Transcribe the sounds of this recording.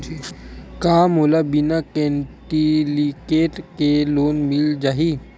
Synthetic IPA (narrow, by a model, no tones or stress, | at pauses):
kaːmoːlabinakɛ̃ɳʈilikeːʈkeloːnmɪld͡ʒaːɦi